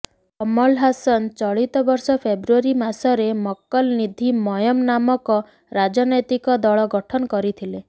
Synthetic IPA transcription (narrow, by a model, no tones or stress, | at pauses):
ɔmɔlɦasɔnt͡ʃɔɭit̪ɔbɔɾsɔpʰebɾuɔɾimasɔɾemɔkːɔlnid̪ʱimɔjɔmnamɔkɔ | ɾad͡ʒɔnɔjt̪ikɔd̪ɔɭɔɡɔʈʰɔnɔkɔɾit̪ʰile